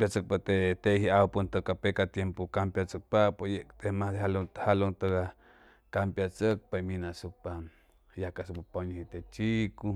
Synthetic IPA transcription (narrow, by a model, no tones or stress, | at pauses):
pjat͡sək̚pat̪et̪eʔhiawpunt̪okapekat̪jempukampjat͡sək̚papojeʔkt̪emahd̪eɦalot̪halont̪oka | kampjat͡sək̚paminasupa | jakasupapaɲohit̪et͡ʃiku